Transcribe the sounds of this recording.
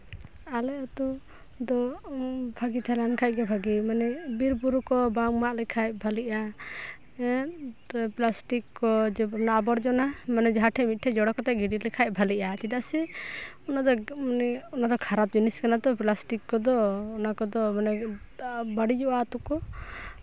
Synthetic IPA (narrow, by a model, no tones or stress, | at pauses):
alɛɔt̪ɔ | d̪ɔ | bʱaɡit̪ʰɛlankʰac̚ɡɛbʱaɡimanɛbiɾbuɾukɔbaŋmaʔlɛkʰaj̚bʱaliʔa | plasʈikːɔd͡ʒɛnaːbɔɾd͡ʒɔnamanɛd͡ʒɔɦaʈʰɛmit̪̚ʈʰɛd͡ʒɔɽɔkɔt̪aʔɡiɖilɛkʰaj̚bʱaliʔat͡ʃid̪aʔsɛ | ɔnad̪ɔnɛɔnad̪ɔkʰaɾap̚d͡ʒiniskanad̪ɔplasʈikːɔd̪ɔːnakɔd̪ɔmanɛ | baɽid͡ʒɔʔat̪ukɔ